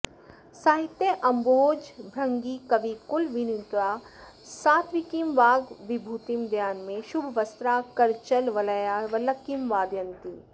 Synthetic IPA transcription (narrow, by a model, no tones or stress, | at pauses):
saːɦɪt̪ːjeʔɐ̃mboːd͡ʒbʱɾɐ̃ŋɡikɐʋikʊlʋinit̪ɾaː | saːt̪ʰʋikimʋaːɡʋɪbʱuːt̪imd̪ʱjaːnmẽʃʊbʱʋɐst̪ɾaːkɐɾt͡ʃəlʋɐljaʋɐlɐkimʋaːd̪jə̃nt̪i